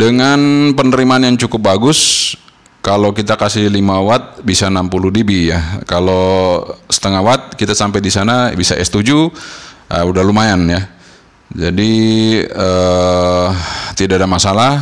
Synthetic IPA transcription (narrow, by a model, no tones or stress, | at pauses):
dəŋanpənəɾimaːnjaŋt͡ʃukʊp̚baɡʊs | kalokit̪akasɪhlimawat̪̚bisanampuludibijakalo | sə̥t̪əŋaɦwat̪̚kit̪asampadisanabisa̰ʔɛ̰st̪ud͡ʒuʔəudaɦlumajanja | d͡ʒadi | ə | t̪idaadamasala